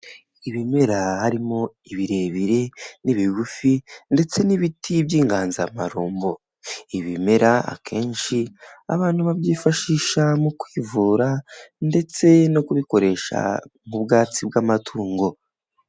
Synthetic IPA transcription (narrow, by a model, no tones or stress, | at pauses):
iβime̞ɾahaɾimo̞ | iβiɾe̞βiɾe̞niβiβufinde̞t͡se̞niβitʰibjiːŋɡaːnzama̰ɾuːmbo̞ | iβime̞ɾaa̰kʰe̞ːnʃia̰βaːnhuβaβjiːfaʃiːʃamukwiːvuːɾande̞t͡se̞no̞kuβiko̞ɾe̞ʃa̰mubɡaːt͡sib̚ɡaːmatʰuːŋɡo̞